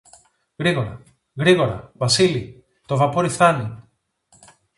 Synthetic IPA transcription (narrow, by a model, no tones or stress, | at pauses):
ɣɾiɣo̞ɾɐ̰ | ɣɾiɣo̞ɾɐ̰vɐsili | t̪o̞vɐpoɾiθani